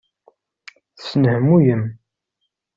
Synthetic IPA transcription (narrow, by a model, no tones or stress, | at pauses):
θəsnhəmːujəm